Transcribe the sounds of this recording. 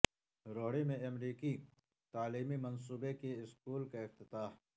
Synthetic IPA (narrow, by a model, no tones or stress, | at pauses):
ɾoːɽimẽɐmɾiːki | t̪aːliːmimɐns̬uːbekeɪskuːlkaɪft̪ɪt̪aːh